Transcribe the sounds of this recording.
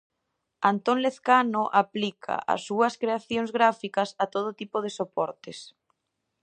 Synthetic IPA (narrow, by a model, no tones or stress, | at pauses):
ant̪onleθkanoʔaplikʰa̰ʔa̰sːuɐskɾeaθjoŋzɣɾafikɐsat̪oð̞ʊt̪ipoð̞esopɔɾt̪es